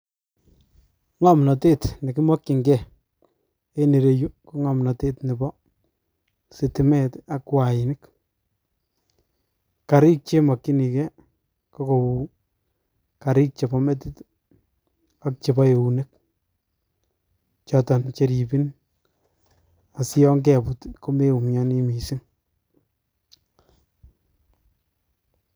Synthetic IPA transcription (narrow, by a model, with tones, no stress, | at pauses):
ŋɔ˦mnɔ˨te˦tni˨kɪ˦mɔ˦kːɪ˨ŋɡɛ˦˨ | e˦ne˨ɾe˨ju˦kɔ˦ŋɔ˨mnɔ˨te˦tnɪ˨bɔ˦ | si˨tɪ˦mɛ˦ta˦kwa˨jɪnɪ˦k | ka˨ɾɪ˦k̚t͡ʃe˦mɔ˨kːi˦ni˨kɛ˦ | kɔ˦ko˨wu˨ | ka˨ɾɪ˦k̚t͡ʃe˨bɔ˦me˦ti˦t | a˦k̚t͡ʃe˨bɔ˦je˨u˨ne˦k̚ | t͡ʃɔ˨tɔ˨nt͡ʃe˨ɾi˨bi˦n | a˨sɪ˦jɔ˦ŋkɛ˨putko˦me˦u˨mjɔ˦ni˦mi˨si˦ŋ